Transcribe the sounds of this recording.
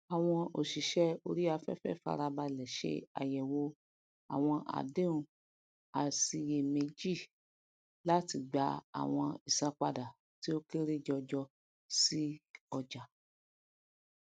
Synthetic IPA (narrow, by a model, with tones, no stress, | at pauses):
a˨w̃ɔ̃˧o˨ʃi˨ʃɛ˦o˧ɾi˦a˧fɛ̰˦˨fɛ̰˦˨fa̰˧ɾa˧ba˧lɛ˨ʃḛ˧˦a̰˨jɛ˨wo˧˦ | a̰˨w̃ɔ̃˧ʔa̰˨de˦ũ˨ | a˨si˧je˧me˧d͡ʒi˦˨ | la˦ti˧˨ɡ͡ba˧˦a̰˨w̃ɔ̃˧i˨sã˧˦k͡pa˧da˨ | ti˦o˦ke˦ɾi˦d͡ʒɔ˧d͡ʒɔ˧ | si˦ɔ˧d͡ʒa˨